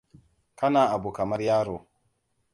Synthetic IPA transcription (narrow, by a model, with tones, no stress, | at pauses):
ka˦na˨a˨bu˨ka˨ma˦ɾja˦ɾo˨